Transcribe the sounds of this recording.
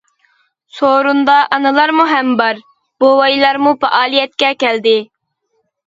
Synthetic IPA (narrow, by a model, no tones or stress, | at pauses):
soɾund̪ɑʔɑnɨlˠɑɾmuɦɛmbɑɾ | b̥owɑjlˠɑɾmupɛ̰ʔɑːlˠijɛt̪̚kʲɛkʲɛld̪ɪ